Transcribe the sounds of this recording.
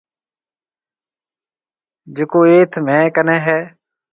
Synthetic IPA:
d͡ʒɪkoːeːt̪ʰmɛ̃ːkənɛ̃ːɦɛː

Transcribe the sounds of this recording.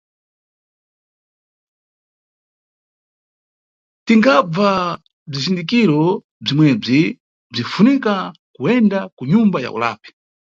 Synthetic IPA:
tiŋɡab͡va | b͡ʐizindikiɾɔ | b͡ʐimwɛb͡ʐi | b͡ʐifunikakuɛndakuɲumbaja̰ṵla̰ːpi̥

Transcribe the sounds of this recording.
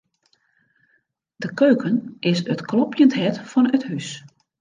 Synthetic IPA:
d̥əkøːkənʔɪsətklɔpʰjəntɦɛtfɔnəthys

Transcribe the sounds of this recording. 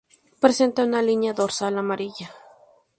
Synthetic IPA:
pɾesent̪aunalinjaðoɾsalamaɾiʝa

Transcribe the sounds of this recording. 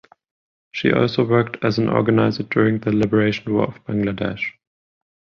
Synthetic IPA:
ʃḭʔɔ̰lˠsoʊwɜ˞k̚tʰɨzə̃nʔɔ̰ɹɡənaɪzə˞dʊɹɪ̃ŋðəlɪbə˞eɪʃn̩wɔ̰ːəvb̥æ̃ŋɡlədɛ̰ʃ

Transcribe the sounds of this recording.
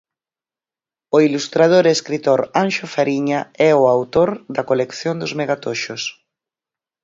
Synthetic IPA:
oilust̪ɾað̞oɾeskɾit̪oɾanʃʊfaɾiɲaɛoawt̪oɾd̪ɐkolekθjond̪ʊzmeɣat̪oʃos

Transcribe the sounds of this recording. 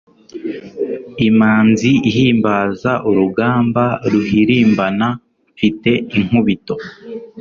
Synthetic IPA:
imaːnziihiːmbaːzaʔuɾuɡaːmbaɾuhiɾiːmbana | fite̞iŋ̥uβito̞

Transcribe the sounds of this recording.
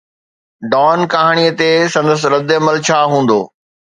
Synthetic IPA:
ɖɔːnkaɦaɽ̃iət̪esɐ̃nd̪əs̬ɾɐd̪ɐməlt͡ɕʰaːɦũːn̆d̪o̰ː

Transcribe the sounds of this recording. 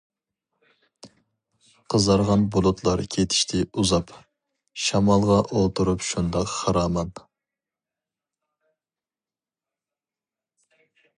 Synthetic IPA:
qʰəzɑɾʁɑnbolˠot̪ʰlˠɑɾkʲʰet̪ʰɪ̥ʃt̪ʰɪuzɑp | ʃɑmɑlˠʁɑʔolˠt̪ʰuɾupʃund̪ɑqχɑɾɑːmɑn

